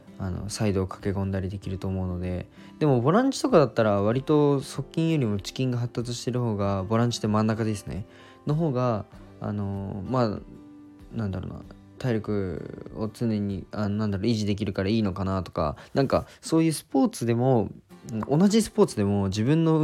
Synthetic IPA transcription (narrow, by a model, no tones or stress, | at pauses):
ano̞̰said̪o̞ːkʰḁke̞kõ̞nd̪aɾʲid̪e̞kʲiɾɯ̟t̪o̞ːmo̞ɯ̟no̞d̪e̞ | d̪̥e̞mo̞bo̞ɾãɲ̟t͡ɕi̥t̪o̞kad̪at̪ːaɾaβ̞aɾʲit̪o̞so̞kʲːĩɰ̃jo̞ɾʲimo̞t͡ɕi̥kʲĩŋɡaɦat̪ːat͡sɨɕi̥t̪e̞ɾɯ̟ho̞ːɡabo̞ɾãɲt͡ɕi̥t̪ːemãnːakad̪e̞sɨne̞̰ | noɦo̞ːɡa̰ː | no̞maː | nãnd̪aɾo̰ːna̰ | t̪aiɾʲo̞kɯ̟o̰t͡sɨne̞ɲ̟ianonãnd̪aɾoiʑid̪e̞k̬ʲiɾɯ̟kaɾaiːno̞kanat̪o̞̥ka̰nãŋka | so̞ːjɯ̟ːsɨ̥po̞ːt͡sɨd̪e̞mo̞ | ʔonaʑisɨ̥po̞ːt͡sɨd̪e̞mo̞d͡ʑibɯ̟̃nːo̞